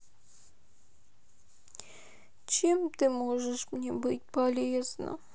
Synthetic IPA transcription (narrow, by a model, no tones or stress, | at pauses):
t͡ɕemt̪ɨmoʐɨʂmnʲebɨtʲpɐlʲeznə̰